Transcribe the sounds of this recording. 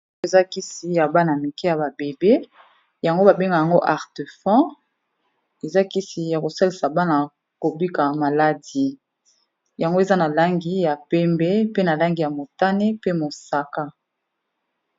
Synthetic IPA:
e˨za˦ki˦si˨ja˨ba˦na˨mi˨kɛ˦ja˨ba˨be˨be˦ | ja˨ŋɡo˦ba˨be˦ŋɡa˨ja˨ŋɡo˦ʔa˨ʁte˨fɑ̃˦ | e˨za˦ki˦si˨ja˨ko˨sa˦li˨sa˨ba˦na˨ | ko˨bi˦ka˨ma˨la˦di˦ | ja˨ŋɡo˦e˨za˦na˨la˦ŋɡi˨ja˨pɛ˦mbɛ˦pe˦na˨la˦ŋɡi˨ja˨mo˨ta˦ne˦pe˦mo˨sa˦ka˦

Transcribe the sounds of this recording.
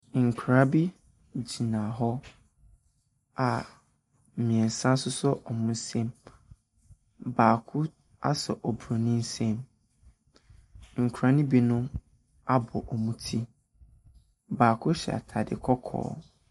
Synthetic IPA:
ŋ̩˨kʰɾa˦bi˦ | d͡ʑi˨nã˨ɦɔ˦ | a˨ | mĩ˨ɛ˨n˨sã˦n˦sʊ˦sʊ˦ʔɔ˨mũ˦n̩˦sẽ˦m | baː˨kʰʊ˦ | a̰˦sɛ˨ʔɔ˨bɾo˨nĩ˦n̩˦sẽ˦m | ŋ̩˨kʰɾa˦nĩ˦bi˨nʊ̃˦ | a˦bɔ˨ʔɔ˨mũ˦tʰi˦ | baː˨kʰʊ˦ɕɛ̰˨a̰˨tʰa˨dɪ̰˨kʰɔ˦kʰɔ̰ː˦

